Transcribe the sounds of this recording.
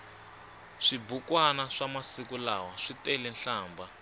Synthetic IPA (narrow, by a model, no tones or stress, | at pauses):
ʂibukwanaʂamasikulawaʂitɛlɛnɬaːmba